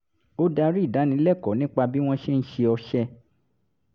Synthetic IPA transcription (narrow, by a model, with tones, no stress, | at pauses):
o˦da˧ɾi˦˨da˨˦nĩ˧˦lɛ˦˨kɔ˨˦nĩ˦k͡pa˧bi˦w̃ɔ̃˦ʃe˦n̩˦ʃe˧ɔ˧ʃɛ˧